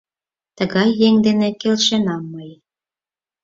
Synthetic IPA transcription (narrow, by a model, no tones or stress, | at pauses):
t̪əɣɑjːeŋd̪enekelʃenɑmːɤj